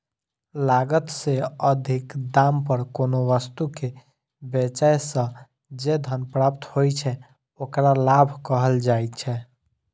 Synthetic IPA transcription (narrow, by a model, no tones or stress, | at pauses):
laɡət̪seəd̪ʱikd̪ampəɾkonoʋəst̪uke | bet͡ʃajsə̃ | d͡ʒed̪ʱənpɾapt̪hojt͡ʃʰɛ | okɾalabʱkəɦəld͡ʒajt̪t͡ʃʰɛ